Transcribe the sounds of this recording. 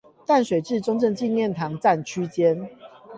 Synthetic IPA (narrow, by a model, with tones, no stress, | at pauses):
t̪a˥˩nʂwe˨˩ʈ͡ʂɻ̩˥˨ʈ͡ʂo˥ŋʈ͡ʂɤ˥˧ŋt͡ɕi˥˧nljɛ˥˨nt̪ʰɑ˨˦ŋt͡sa˥˨nt͡ɕʰy˦˥t͡ɕjɛ˦n